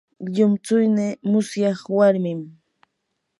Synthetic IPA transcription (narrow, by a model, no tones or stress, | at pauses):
ʎʊmt͡sʊjnɪmʊsjɑχwaɾmɪm